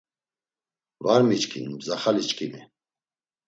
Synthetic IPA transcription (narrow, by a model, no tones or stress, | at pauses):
vaɾmit͡ʃkʰḭnbzaχalit͡ʃkʰimi